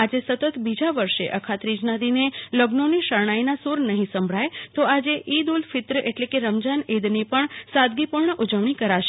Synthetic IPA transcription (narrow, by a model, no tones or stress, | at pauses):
ad͡ʒesət̪ət̪bid͡ʒaʋəɾʃḛʔəkʰat̪ɾid͡ʒnad̪ineləɡnoniʃəɾɳ̃ainasuɾnəɦĩsə̃mbʱɭajt̪oad͡ʒeʔid̪ulfɪt̪ɾəʔeʈlekeɾəmd͡ʒaned̪nipəɳsad̪̚ɡipuɾɳəʔud͡ʒəʋɳ̃ikəɾaʃe